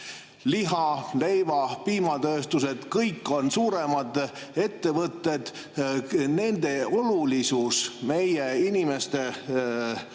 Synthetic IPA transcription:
liɦɑle̞jvɑpiːmɑt̪øːst̪use̞d̪̥kɤjkːˑo̞nsuːɾemɑd̪ | e̞t̪ːe̞vɤt̪ˑːe̞d̪̥ | ne̞nd̪̥e̞o̞lulisusme̞jeinʲime̞st̪e̞

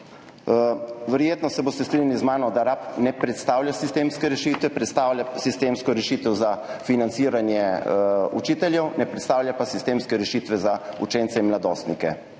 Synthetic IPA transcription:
ʋɛɾjeːt̪nɔsɛboːst̪ɛst̪ɾiɲalizmaːnɔd̪aɾapnɛpɾɛt̪st̪aːwljasist̪eːmskɛɾɛʃit̪ʋɛpɾɛt̪st̪aːwljasist̪eːmskɔɾɛʃit̪ɛwzafinant̪siːɾanjɛ | ṵt͡ʃit̪ɛljɛwnɛpɾɛt̪st̪aːwljapasist̪eːmskɛɾɛʃiːt̪ʋɛzaut͡ʃeːnt̪sɛinmlad̪oːst̪nikɛ

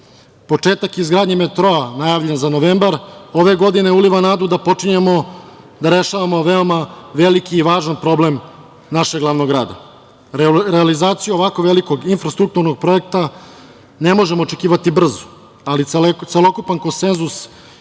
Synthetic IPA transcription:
po̞t͡ʂe̞ːt̪akizɡɾaːd̪ɲemet̪ɾo̞anajaːʋʎenzanoʋeːmbaɾo̞ʋe̞ɡo̞d̪ine̞uliʋanaːd̪ud̪apo̞t͡ʂiɲemo | d̪aɾe̞ʃaʋamo̞ʋeomaʋe̞likiːʋaːʒanpɾo̞blem | naʃeɡlˠaʋnoɡɾa̰ːd̪a̰ | ɾealizaːt̪sijuo̞ʋako̞ʋelikoɡinfɾast̪ɾuk̚t̪uɾnoɡ̚pɾo̞ek̚t̪a | ne̞mo̞ʒe̞mo̞ːt͡ʃe̞kiːʋat̪ibr̩zo̥ | alit̪selˠo̞kupanko̞nse̞nzus

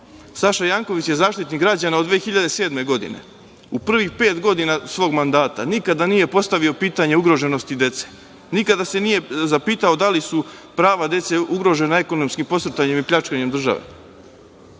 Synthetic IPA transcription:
saʃajaːŋko̞ʋit͡ɕjezaːʃt̪it̪niɡɾad͡ʑanaod̪ʋeːxiʎad̪e̞se̞ːd̪me̞ɡo̞d̪ḭne̞̰ | upr̩ʋixpe̞ːt̪ɡo̞d̪inasʋo̞ːɡmand̪aːt̪a̰nikad̪anije̞po̞st̪aʋio̞piːt̪aɲe̞uɡɾo̞ʒe̞no̞st̪id̪e̞t̪se | nikad̪ase̞nije̞zapiːt̪aod̪alisupɾaːʋad̪je̞t̪se̞uɡɾo̞ʒe̞nae̞ko̞no̞mskimpo̞sɾ̩t̪aɲe̞mipʎat͡ʃkaɲe̞md̪r̩ʒa̰ʋḛ

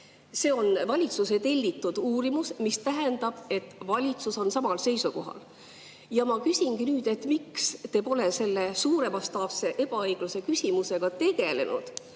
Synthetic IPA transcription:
se̞ːo̞nvɑlʲit̪suse̞t̪e̞lʲːit̪ːˑud̪̥uːɾimusmist̪æɦend̪̥ɑb̥e̞t̪ːˑvɑlʲit̪suso̞nsɑmɑlse̞jsuko̞̰ɦɑ̰l | jɑmɑkysʲiŋɡinyːd̪e̞t̪mikst̪e̞ːpo̞le̞se̞lːe̞suːɾe̞mɑst̪ɑːpse̞ʔe̞b̥ɑɤjɡ̥luse̞kysʲimuse̞ɡ̥ɑt̪e̞ɡ̥e̞le̞̰nṵd̪̥

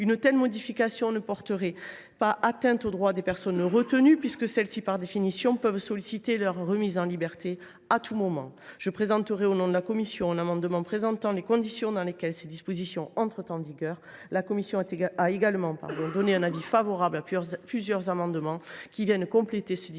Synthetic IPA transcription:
ynt̪ɛlmɔd̪ifikasjɔ̃nəpɔʁt̪əʁɛ | paʔat̪ɛ̃t̪od̪ʁwad̪epɛʁsɔnʁət̪ənypɥiskəsɛlsipaʁd̪efinisjɔ̃pœvsɔlisit̪elœʁːəmizɑ̃libɛʁt̪e | at̪ʰumɔmɑ̃ʒ̥əpχezɑ̃t̪əʁɛonɔ̃d̪əlakɔmisjɔ̃ɛ̃namɑ̃d̪əmɑ̃pχezɑ̃t̪ɑ̃lekɔ̃d̪isjɔ̃d̪ɑ̃lekʲɛlsed̪ispɔzisjɔ̃ɑ̃t̪χət̪ɑ̃viɡœʁlakɔmisjɔ̃aeɡalmɑ̃pa̰ʁd̪ɔ̃d̪ɔneɛ̃navifavɔʁablaplyzjœʁzamɑ̃d̪əmɑ̃kʲivjɛnkɔ̃plet̪esəd̪i

